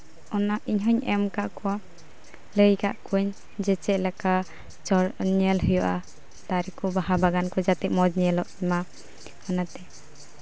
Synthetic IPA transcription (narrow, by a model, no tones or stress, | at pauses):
ɔnaʔiɲɦɔɲɛmkaʔkɔwa | ləjkaʔkuɲ | d͡ʒɛt͡ʃɛʔlaka | t͡ʃɔɾɲɛlɦujɔʔa | t̪aɾikɔbaɦabaɡankɔd͡ʒat̪ɛʔ̪̚mɔd͡ʒɲɛlɔʔɛma | manat̪ɛ